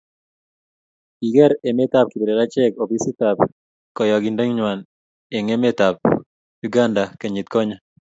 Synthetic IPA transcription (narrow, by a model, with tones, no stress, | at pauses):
i˨ɡɛ˦ɾe˨me˦t̪a˦p̚ki˨be˨ɾɛ˨ɾa˦t͡ʃɛ˦ko˨bi˦si˦t̪a˨p | kɔ˨jɔ˨ɡi˨nde˦ŋɲwa˨n | e˨ŋe˦me˦t̪a˨p̚ | ju˦ɡa˦nda˨ke˨ɲi˨t̪kɔ˦ɲa˦